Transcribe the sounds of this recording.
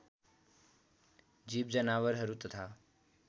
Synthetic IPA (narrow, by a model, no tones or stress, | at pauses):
d͡ʑiːb̚d͡ʒənaːʋəɾɦəɾut̪ət̪ʰaː